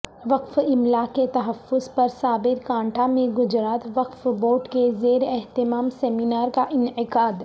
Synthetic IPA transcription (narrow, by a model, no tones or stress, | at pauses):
ʋɐqfɪmlaket̪ɐɦəfːʊzpɐɾsaːbɪɾkãːɳʈʰamẽɡʊd͡ʒɾaːt̪ʋɐqfboːʈkezeːɾɛɦt̪ɪmaːmsɛːminaːɾkaʔɪnɪqaːd̪